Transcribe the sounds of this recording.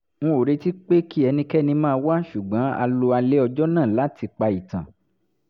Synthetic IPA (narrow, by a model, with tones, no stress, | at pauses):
ŋ̩̃˦o˨ɾe˧ti˦k͡pe˦ki˦ɛ˧nĩ˧kɛ˦nĩ˧mãː˦˧wa˦ʃu˨ɡ͡bã˨˦a̰˧lo˧a˧le˦ɔ˧d͡ʒɔ˦nãː˦˨la˨˦ti˧k͡pa˧i˨tã˨